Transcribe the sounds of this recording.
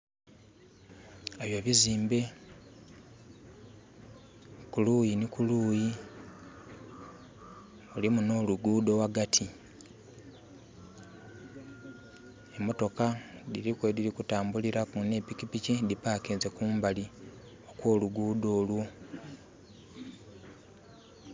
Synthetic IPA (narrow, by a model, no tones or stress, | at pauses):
eβjoβiziːmbe̞ | kuluːjinikuluːji | ulimuno̞ːluɡuːdo̞waɡatʰi | emo̞to̞kadiɾikwediɾikutaːmbuliɾakune̞pikipicidipaːkeːzekuːmbali | o̞kwo̞ːluɡuːdo̞ːlwu